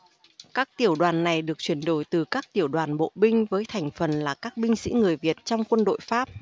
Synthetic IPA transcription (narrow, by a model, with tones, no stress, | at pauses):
kaː˦˥k̚t̪i˧˩əwɗwaː˨˩nːa˨˩jɗɨ˨˩ək̚t͡ɕwi˧˩ənɗo˨˦jt̪ɨ˨˩kaː˦˥k̚t̪i˧˩əwɗwaː˨˩nɓo̰˧˨ɓï˧ŋ̟vəː˨˦jt̪ʰɛ˨˩jŋ̟fə˨˩nlaː˨˩kaː˦˥k̚ɓï˧ŋ̟sḭ˧˥ŋɨ˨˩əjvi˨˩ət̚t͡ɕɔ˧wŋ͡mkwə˧nɗo̰˧˨jfaː˦˥p̚